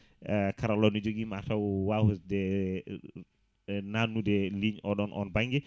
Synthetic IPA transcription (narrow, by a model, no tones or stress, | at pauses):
kaɾalɔnɔd͡ʒoɡimatawwahusdɛ | nanːudɛliɲɔɗɔnʔɔ̰nbaŋɡɛ